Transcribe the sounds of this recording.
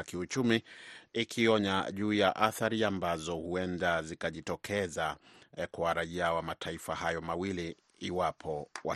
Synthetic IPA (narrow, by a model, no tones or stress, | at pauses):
kiut͡ʃumiikʰiɔɲaʄuːjaʔaθaɾiambazɔhuɛndazikaʄitɔkʰɛzakwaɾaiawamatʰaifahajɔmawiliː | wapʰɔwa